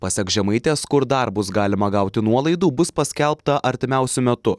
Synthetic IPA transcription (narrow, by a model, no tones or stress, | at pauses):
pɐsʲɛkʒʲɛmɐɪt̪ʲeːskʊɾd̪ɐɾbʊs̬ɡɑːlʲɪmɐɡɐʊt̪ʲɪnuɔlˠɐɪd̪uːbʊspɐsʲkʲɛlˠpt̪ɐʔɐɾʲt̪ʲɪmʲæˑʊsʲʊmʲɛt̪ʊ